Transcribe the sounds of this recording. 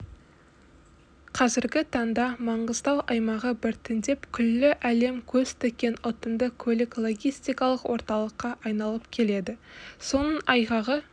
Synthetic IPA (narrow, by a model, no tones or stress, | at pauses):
qʰɑzɪɾɡʲɪt̪ʰɑɴd̪ɑmɑɴʁəzd̪ɑwʔɑjmɑʁəbɪɾt̪ʰɪnd̪e̞pkʲʰʏlːɪʔæle̞mkʲʰɵzt̪ʰekʲːe̞nʊt̪ənd̪əkʲʰɵlɪklˠo̞ɡʲijst̪ijkɑlˠəqwʔo̞ɾt̪ɑlˠəqːɑʔɑjnɑlˠəpkʲʰe̞le̞d̪ɪso̞nəɴɑjʁɑʁə